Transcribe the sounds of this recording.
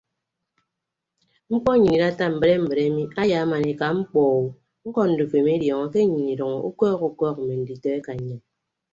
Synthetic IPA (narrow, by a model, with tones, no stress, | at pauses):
ŋ͡m̩˦k͡pɔ˦ɲi˨ni˨ɾa˦ta˦m̩˨be˦ɾe˦m̩˨be˨ɾe˦mi˦ʔa˦ja˨˦ma˨ni˨ka˨ŋ͡m̩˦k͡pɔː˨u˨ | ŋ͡m̩˦kɔ˦n̩˨du˨fe˨m˦e˦djɔ˨ŋɔ˨ke˦ɲi˨ni˨ɾɔ˨ŋɔ˨u˦kɔː˦ku˨kɔ˦k̩̚˨me˨n̩˨di˨tɔ˦e˦ka˨ɲe˨